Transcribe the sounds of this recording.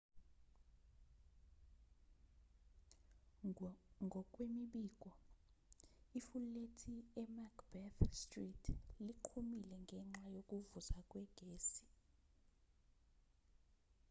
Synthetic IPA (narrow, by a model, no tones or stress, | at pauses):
ŋɡʱɔkʼwemiɓiːkʼɔ | ifulletʰiɛmakʰb̥ɛθstritʰliǃʰumilɛŋɡʱɛŋ͡ǁajokʼuvuzakʼwɛɡ̥ʱeːsi̥